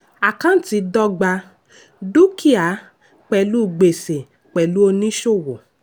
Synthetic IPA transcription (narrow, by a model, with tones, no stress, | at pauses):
a˨kã˨˦n̩˦ti˧˦dɔ˦ɡ͡ba˧ | du˦kʰi˦a˨˦ | k͡pɛ˨lu˦˨ɡ͡be˨se˨ | k͡pɛ˨lu˦o˧nĩ˦ʃo˦˨wo˨